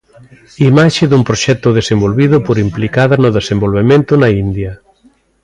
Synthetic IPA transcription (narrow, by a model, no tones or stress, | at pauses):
imaʃeðumpɾoʃɛt̪ʊðesembolβiðʊpoɾimplikaðanʊðesembolβemẽnt̪ʊnaind̪jɐ